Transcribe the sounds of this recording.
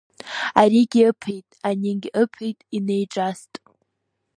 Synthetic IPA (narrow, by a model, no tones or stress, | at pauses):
aɾiɡʲiɨpʰejtʼaniɡʲʔəpʰejtʼinejʈ͡ʂʼastʼ